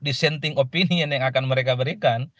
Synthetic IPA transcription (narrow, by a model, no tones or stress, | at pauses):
disɛnt̪iŋɔpinianjaŋakanməɾɛkabəɾikan